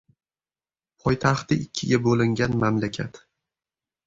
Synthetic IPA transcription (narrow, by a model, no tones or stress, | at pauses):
pʰɒjt̪ʰaχt̪ɪɪkʲʰːɪɡʲabolɪŋɡʲanmamlakʲʰat̪